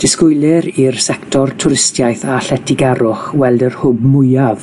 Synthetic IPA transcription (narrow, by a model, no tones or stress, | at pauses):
d̥ɪskʊjlˠɛɾirsɛktʰɔrtʰʊɾɪstjajθaɬɛtʰɪɡaɾʊχwɛlˠdərhʊbmʊɨav